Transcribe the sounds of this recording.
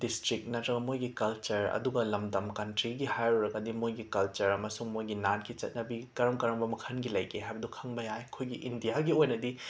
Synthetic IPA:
distɾik̚nɐtɾɐbɐmojɡikɐlt͡ʃɐɾɐ̰duɡɐlɐmdɐmkɐntɾiɡihajɾuɾɐɡɐdimojɡikɐlt͡ʃɐɾɐmɐsuŋmojɡinankit͡ʃɐ̰t̚nɐbikɐɾɐmkɐɾɐmbɐmɐkʰɐnɡilɐjkʰeɦajbɐdukʰɐŋbɐjajɐkʰojɡiʔindijaɡiojnɐdi

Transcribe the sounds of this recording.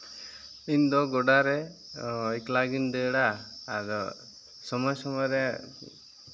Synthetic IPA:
ind̪ɔɡɔɖaɾe | eklaɡind̪eɽaːdɔ̰ | sɔmɔjsɔmɔɾe

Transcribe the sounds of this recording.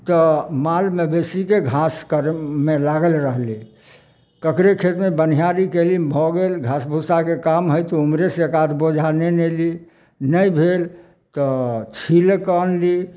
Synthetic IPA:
t̪ɔmalmebesikeɡʱaskəɾmelaɡəlɾəɦli | kəkɾekʰet̪mebən̤ijaɾikelibʱɔɡelɡʱasbʱusakekamɦəjt̪ɔumɾeseekad̪ʱbod͡ʒʱaneneli | nəjbʱel | t̪ɔt͡ʃʰilkənli

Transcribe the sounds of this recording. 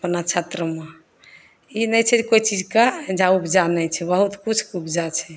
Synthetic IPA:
pnat͡ʃʰat̪ɾəme | inɛt͡ʃʰɛd͡ʒekojt͡ʃid͡ʒkad͡ʒãubd͡ʒanɛt͡ʃʰɛbəɦut̪kut͡ʃʰubd͡ʒat͡ʃʰɛ

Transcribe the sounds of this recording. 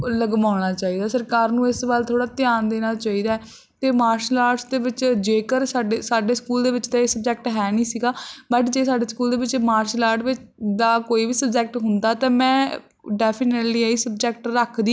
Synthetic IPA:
ləɡmaːɽ̃aːt͡ʃaːiːd̪aːsəɾkaːɾnũːɪsbalt̪ʰoːɽaːt̪ɪjaːnd̪eːnaːt͡ʃaːiːd̪aːɛ | t̪eːmaːɾʃlaːɾɖsd̪eːʋɪt͡ʃd͡ʒeːkəɾsaːɖeːsaːɖeːskuːld̪eːʋɪt͡ʃd̪aːeːsəbd͡ʒɛːk̚ʈɦɛːnĩːsiːɡaːbəʈd͡ʒeːsaːɖeːskuːld̪eːʋɪt͡ʃmaːɾʃlaːɾɖʋɪt͡ʃd̪aːkoːiːʋiːsəbd͡ʒɛːk̚ʈɦʊnd̪aːt̪ãːmɛ̃ː | ɖɛːpʰɪneʈliːiːsəbd͡ʒɛːk̚ʈɾəkʰd̪iː

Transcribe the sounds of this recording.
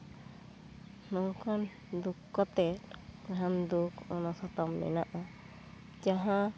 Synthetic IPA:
nɔkʰan | d̪ukːɔt̪ɛtand̪ukɔnɔsɔt̪ɔmːɛ̰naʔa | d͡ʒaɦã

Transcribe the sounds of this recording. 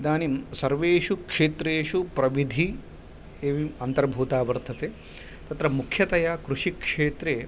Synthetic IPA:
d̪aːnimsɐɾʋeːʂukʂeːt̪ɾeːʂupɾɐʋid̪ʱi | eːʋiɐnt̪ɐɾbʱuːt̪aːʋɐɾt̪ʰɐt̪eː | t̪ɐt̪ɾɐmukʰjɐt̪ɐjakɾuʂikʂeːt̪ɾeː

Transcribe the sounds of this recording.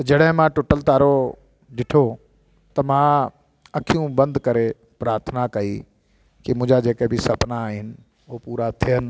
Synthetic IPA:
t̪ɐd͡ʑɐɽɦɪ̃mãːʈʊʈəlt̪aːɾo | ɗɪʈʰo | t̪ɐmã | ɐkʰijũbɐ̃nd̪kɐɾe | pɾaːɾt̪ʰnakɐi | kɪmʊ̃ɦɪ̃ɲd͡ʑad͡ʑeːkebɪsɐpnaːɦɪnɪ̆ | oopuːɾat̪ʰijənɪ̆

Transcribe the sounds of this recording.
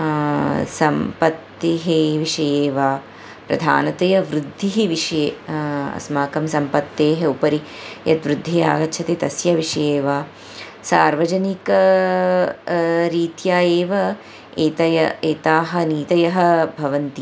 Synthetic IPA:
sɐmpɐt̪ːeɦeʋiʂɐjeːʋaː | pɾɐ̰d̪ʱa̰ːnɐt̪ɐjɐʋɾud̪ʱːiɦiʋiʂɐjeːɐ̰smaːkɐmsɐmpɐt̪ːeːɦeupɐɾijɐt̪ʋɾud̪ʱːijaːɡɐtːʃʰɐt̪eːt̪ɐsjɐʋiʂɐjeːʋaː | saːɾʋɐd͡ʒɐnikɐ | ɾiːt̪jaːjeːʋɐ | eːt̪ɐjɐeːt̪aːɦɐ̆niːt̪ɐjɐɦɐ̆bʱɐʋɐnt̪i

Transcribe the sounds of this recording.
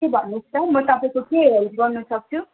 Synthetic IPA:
ebʱʌnːust̪ʌmʌt̪ʌpãkokeɾelzɡʌrnːusʌk̚t͡sʰu

